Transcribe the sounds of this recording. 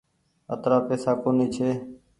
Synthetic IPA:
ət̪ɾaːpeːsaːkoːniːt͡ʃʰeː

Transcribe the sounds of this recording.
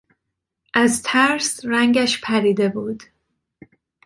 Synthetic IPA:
ʔæzt̪ʰæɾsɾæŋɟæʃpʰæɾiːd̪e̞buːd̪̥

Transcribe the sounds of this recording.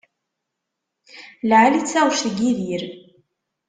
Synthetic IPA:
lʕalit͡sːæʁʃəɡiðjiɾ

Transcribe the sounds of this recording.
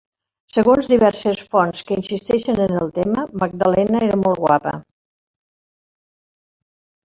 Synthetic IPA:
səɣonzðiβɛɾsəsfɔnskəinsist̪ɛʃənənəlˠt̪eməməɡ̚d̪əlɛnəeɾəmɔlˠt̪ɣwa̰pə̰

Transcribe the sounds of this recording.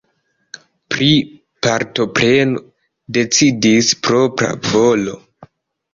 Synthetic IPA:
pɾi | paɾto̞pɾe̞no | de̞t͡sidispɾo̞pɾa̰vo̞lo̞

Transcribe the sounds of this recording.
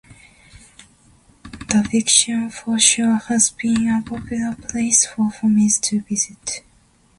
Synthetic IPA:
ð̥əfɪkʃə̃nfɔʃɔhəzbĩnəpʰɔpʰjulˠəpʰleɪsfɔfɔmiztʰɨvɪzɪt

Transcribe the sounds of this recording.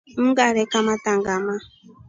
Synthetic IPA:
m̩ɡaɾɛkamataŋɡama

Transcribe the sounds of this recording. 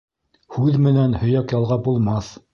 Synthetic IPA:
hʉðmɘ̆nænhɵ̆jækjɑlˠʁɑbulˠmɑθ

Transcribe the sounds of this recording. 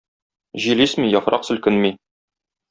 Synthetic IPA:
ʑilismijɒfɾʔɑqsɵ̆lkɘnmi

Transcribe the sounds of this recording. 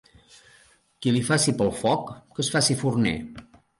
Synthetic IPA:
kilifasipəlˠfɔkːəsfasifurnɛ̰

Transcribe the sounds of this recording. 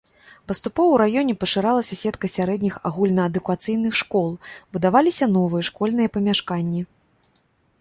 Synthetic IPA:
pɐst̪upɔvɐwɾajɔnʲɛpɐʂɨɾalˠɐsʲɐsʲɛt̪kɐsʲaɾɛd̪ʲnʲixa̰ɣulʲnɐɐd̪ukat̪sɨjnɨxʂkɔlˠbud̪avalʲisʲɐn̪ɔvɨjɐʂkɔlʲnɨjɐpɐmʲaʂkanʲːi

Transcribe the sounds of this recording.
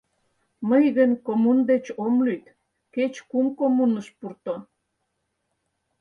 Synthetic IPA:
məjɣənʲkomund̪et͡ɕomlyt̪ | ket͡ɕkumkomunəʃpurt̪o

